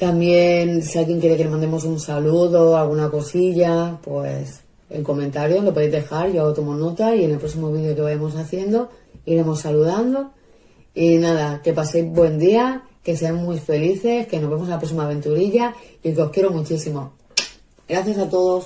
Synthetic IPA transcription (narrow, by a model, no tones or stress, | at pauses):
t̪ambje̞nsialɣje̞ŋkje̞ɾe̞kele̞mãnd̪emo̞sunsaluðo̞alɣ̞unako̞siʎapwḛs | e̞̰ŋko̞mẽ̞nt̪aɾjo̞zlopoðejzðe̞xaɾʝat̪o̞mo̞no̞t̪aiene̞lpɾo̞simo̞βiðjo̞ke̞βajamos̬aθje̞nd̪o̞iɾe̞mo̞saluðand̪o̞ | inaðake̞pase̞jzβbwe̞nd̪ia | ke̞seammwuife̞liθe̞ske̞no̞zβe̞mos̬alapɾo̞s̬imaːβ̞e̞nt̪uɾiʝa | ikeo̞hkje̞ɾo̞mut͡ʃisimo̞ | ɡɾaθjasat̪o̞ðo̞s